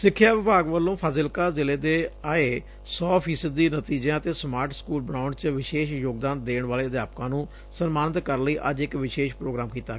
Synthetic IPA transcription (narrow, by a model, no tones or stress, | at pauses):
sɪkʰːjaːʋɪbaːɡʋəlːõːpʰəːzɪlkaːzɪleːd̪eːaːeː | sɔːpʰiːsəd̪ːiːnət̪iːd͡ʒãːət̪eːsmaːɾʈskuːlbənãːʊəɳɖt͡ʃʋɪʃeːʃjoːɡd̪aːnd̪eːɳ̃ʋaːleːəd̪jaːpkãːnũː | sənmaːnɪt̪kəɾləiːʔəd͡ʒɪkʋɪʃeːʃpɾoːɡɾaːmkiːt̪aːɡ